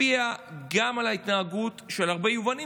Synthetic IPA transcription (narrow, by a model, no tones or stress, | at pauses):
iaɡamalait̪naːɡutʃe̞laʁbejuvani